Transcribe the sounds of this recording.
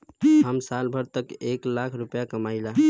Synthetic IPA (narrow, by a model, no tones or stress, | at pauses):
ɦəmsalbʱəɾt̪əkeklakʰɾupjakəmaɪla